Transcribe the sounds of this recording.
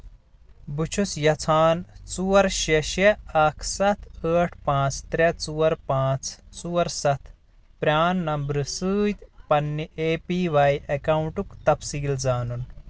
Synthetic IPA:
but͡ʃʰusjɐt͡sʰaːnt͡suːɐɾʃeʃeɐkʰsɐt̪ʰəːʈʰpãːt͡st̪ɾet͡suːɐɾpãːt͡st͡suːɐɾsɐt̪ʰ | pɾʲaːnːɐmbɾɨsɨːt̪pɐnːiʔeːpiːʋajɐkɐwuɳʈukt̪ɐpsiːld͡zaːnun

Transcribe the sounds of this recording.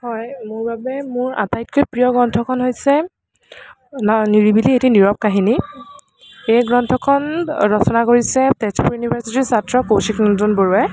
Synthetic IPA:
hɔjmʊɹbabɛmʊɹa̰tajt̚kojpɹijɔɡɹɔntʰɔkʰɔnɦojsɛ | niɹibilietiniɹɔp̚kaɦini | ejɡɹɔntʰɔkʰɔnɹɔsɔnakoɹisɛtɛspuɹjunibʱaɹsitiɹsatɹɔkowsiknɔtunboɹuɛ

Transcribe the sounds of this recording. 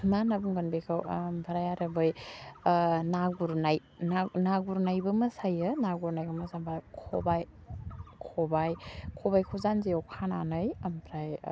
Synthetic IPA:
manabuŋɡɯnbekʰawmpʰaɾajaɾɐbɯj | naɡuɾnaj | nanaɡuɾnajbɐmɐsajɯnaɡuɾnajɡamɐsabakʰɔ̰baj | kʰɔbajkʰɔbajkʰɔzanzeɔkʰana̰nɯjampʰɾaj

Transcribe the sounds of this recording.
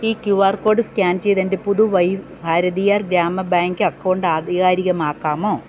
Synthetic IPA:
iːkjuʋaːrko̞ːɖɨskʲaːnt͡ɕe̞jt̪ɐnde̞puðuʋɐjbʱaːɾɐðijaːrɡɾaːmːɐbaːŋɡɨɐkːɐɳɖaːd̪ʱiɣaːɾiɣɐmaːkːaːmoː

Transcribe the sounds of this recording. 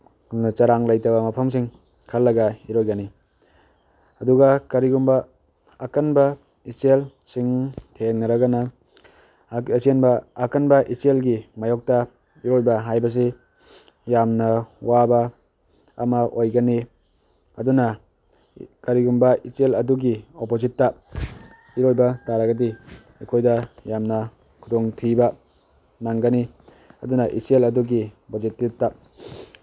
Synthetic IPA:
t͡ʃɐɾaŋlajtawbɐmɐpʰɐms̬iŋ | kʰɐlːɐɡɐiɾojɡɐni | ɐduɡɐkɐɾiɡumbɐː | kɐnbɐ | isel | siŋtʰeŋnɐɾɐɡɐnɐ | senbɐːkɐnbɐʔiselɡimajɔk̚tɐ | iɾojbɐɦajbɐs̬i | jamnɐwabɐ̰ː | maʔojɡɐni | ɐduna | kaɾiɡumbɐiselɐduɡiopozitːa | iɾojbɐtaɾaɡɐdi | ikʰojdɐjamnɐ | kʰudɔŋtʰibɐ | naŋɡɐni | ɐdunaʔiselɐduɡibozitːib̚ta

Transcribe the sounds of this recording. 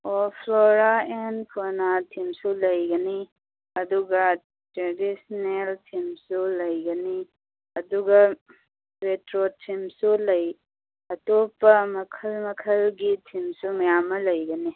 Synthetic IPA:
ɔpʰloɾaenkʰonatʰimsulɐjɡɐni | ɐduɡɐ | tɾedisneltʰimsulɐjɡɐni | ɐduɡɐ | ɾetɾotʰːimsulɐj | ɐtopɐmɐkʰɐlmɐkʰɐlɡitʰimsumɐjamɐlɐjɡɐni

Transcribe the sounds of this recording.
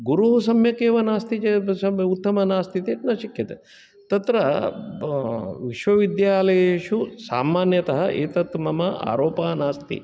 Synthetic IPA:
ɡuɾuɦusɐmjɐkeːʋɐnaːst̪it͡ʃesɐut̪ːɐmɐnaːst̪it̪eːʈnɐʃikʰjɐt̪e | t̪ɐt̪ɾɐ | ʋiʃʋɐʋid̪jaːlɐjeʃusa̰ːmaːnjɐt̪ɐɦɐʔeːt̪ɐt̪mɐmɐa̰ːɾoːpaːnaːst̪ḭ

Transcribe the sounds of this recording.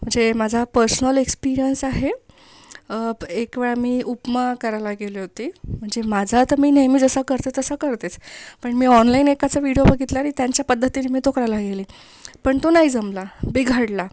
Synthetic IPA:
m̤əɳd͡zemad͡zʱapəɾsnəlekspiɾijənsaɦe | ekʋeɭamiːʔupmakəɾajlaɡeliɦot̪iːm̤əɳd͡zemad͡zʱat̪əmiːnəjmiːd͡zəsakəɾt̪eəsəkəɾt̪et͡spəɳmiːɔnlainekat͡səʋiɽijobəɡʱit̪laaɽ̃it̪jaɲt͡ɕjapəd̪ʱːət̪inemiːt̪okɾalaɡeliː | pəɳt̪onaɦid͡zəmlabiɡʱəɽla

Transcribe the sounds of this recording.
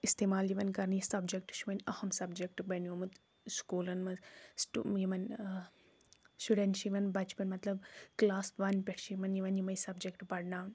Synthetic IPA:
ist̪eːmaːljiʋɐnkɐɾnisɐbd͡ʒek̚ʈʃiʋɐnʲɐhɐmsɐbd͡ʒek̚ʈbɐnoːmut̪ | skuːlɐnmɐsʈujimɐn | suɖenʃiʋɐnbɐt͡ʃpɐnmɐt̪lɐbklaːsʋɐnʲpʲeʈʰʃiʋɐnjiʋɐnjimɐjsɐbd͡ʒekʈbɐɽnaːn

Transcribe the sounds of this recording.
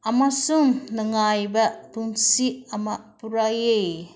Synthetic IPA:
amasuŋnɯŋajbɐpuŋsiɐmapuɾajej

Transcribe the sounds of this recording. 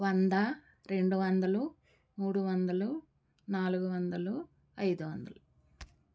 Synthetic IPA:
ʋɐnd̪ɐ | ɾe̞ɳɖuʋɐnd̪ɐlu | muːɽuʋɐnd̪ɐlu | naːluɡuʋɐnd̪ɐlu | ɐjd̪uʋɐnd̪ɐlu

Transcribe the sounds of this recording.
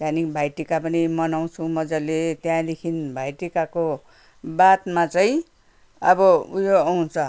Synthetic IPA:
t̪janikbʱajʈikapʌnimʌnaw̃t͡sʰumʌd͡zalet̪jãd̪ekʰinbʱajʈikako | bat̪mat͡saĩ | ʌbʌujoawt͡sʰʌ

